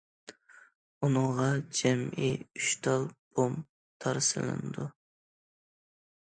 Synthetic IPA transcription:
unɨŋʁɑd͡ʒɛmiyʃt̪ʰɑlˠb̥om | t̪ʰɑɾsɨ̰lˠɨ̰nɨd̪u

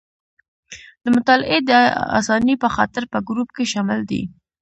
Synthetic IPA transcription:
d̪əmʊt̪ɑlɪ̰ʔed̪əa̰sɑnipəxɑt̪ɪɾpəɡɾupkeʃɑmɪld̪ḭ

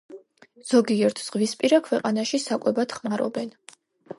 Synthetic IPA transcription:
z̥ɔɡiɛɾt̪ʰz̥ʁvispʼiɾakʰwɛqʼanaʃisakʼwɛbad̪̥χmaɾɔ̰bɛn

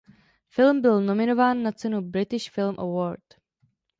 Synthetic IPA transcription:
fɪlmbɪlno̞mɪno̞vaːnːat͡sɛnubɾɪt̪ɪʃfɪlmʔə̰woːɾt

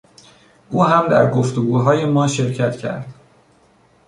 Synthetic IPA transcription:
ʔuːɦæmd̪æ̰ɾɡoft̪oɡuːɦɒːje̞mɒːʃe̞ɾcʰæt̪cʰæ̰ɾd̪̥

